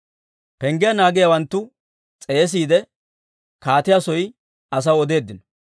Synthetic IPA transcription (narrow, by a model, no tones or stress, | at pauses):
pɛŋɡɪjɐnaːɡɪjɐwɐnt̪ːʊ | t͡sʼeːs̬iːd̪ɛ | kaːt̪ɪjasɔj | ɐs̬ɐwɔd̪e̞ːd̪ːɪnɔ̥